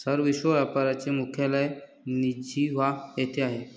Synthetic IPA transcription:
səɾʋiɕʋəʋjapaɾat͡ɕemukʰjaləe | nid͡ʑiʋajet̪ʰeaɦe

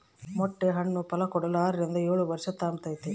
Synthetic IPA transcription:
mɔʈːeɦɐɳːupɐlɐkɔɽɐlaːɾɐɾind̪ɐeːɭuʋɐɾʂɐt̪aːmt̪ɐjt̪ːe

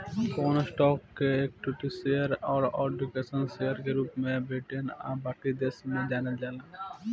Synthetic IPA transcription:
konosʈɔːkːeek̚ʈuʈisejəɾɔːɾɔːɖukesənsejəɾkeɾuːpmẽbeːʈʰena̰baʈid̪eːsmẽd͡ʒaːned͡ʒaːlã

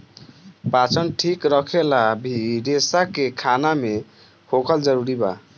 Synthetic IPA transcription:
pat͡ʃʰənʈʰikɾəkʰelabʱiɖesakekʰaname | hokʰəld͡ʒəɾuɾiba̰

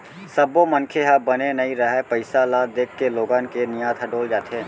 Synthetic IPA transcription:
sɐbːomənkʰeɦabɐnenɐɦĩɾɐɦɛpəɪsalaːd̪eːkʰːeloːɡaːnkenɪjaːd̪ɦɐɖoːld͡ʒaːt̪ẽː

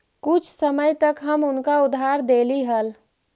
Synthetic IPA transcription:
kʊt͡ʃʰsəməjt̪əkɦəmʊnkaʊd̪ʱːaɾd̪eːliɦəl

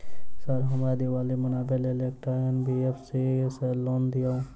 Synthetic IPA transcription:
səɾɦəmad̪iʋaːlimənaːbelelekʈaenbʱiepʰsiselond̪ija

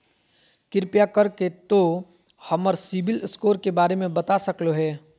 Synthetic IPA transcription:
kɪɾpjakɐɾket̪o | hɐməɾsɪbɪlskoːɾkebaːɾemẽbɐt̪asɐkloɦɛː

